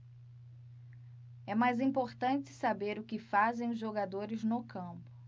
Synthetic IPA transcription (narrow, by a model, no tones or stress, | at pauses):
ɛmajzĩpoɾt̪ɐ̃t͡ʃɪ̥sabeɾʊkɪfazẽj̃ʊzʒoɡad̪oɾɪznʊkʰɐ̃mpʊ̥